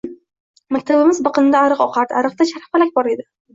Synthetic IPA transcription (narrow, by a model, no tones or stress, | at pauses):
mak̚ʲt̪ʰabɪmɪzbɨqɨnɪd̪aːɾɨqɒqʰaɾd̪aɾɨq̚t̪aʃaɾfalak̚ʲbɒɾe̞d̪ɪ